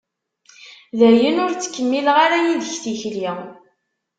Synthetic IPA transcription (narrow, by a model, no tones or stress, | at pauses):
ðæjənʊɾt͡sːə̥kːəmːilʁaɾæjind̪əçθiçli